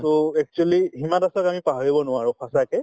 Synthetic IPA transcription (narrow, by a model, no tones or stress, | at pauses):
tɔɛk̚t͡ʃualiɦimãtasɔkamipaɦaɹibɔnʊwaɹʊpʰasakɛ